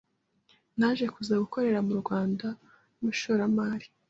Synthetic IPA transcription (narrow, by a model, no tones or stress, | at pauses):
naʒe̞kuzaɡuko̞ɾe̞ɾamuɾɡwaːnda | muʃuɾamaːɾi̥